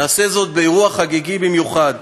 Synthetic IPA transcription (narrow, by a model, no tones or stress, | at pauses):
naːse̞zo̞t̪̚beeʁuaχaɡiɡibimjuχad̪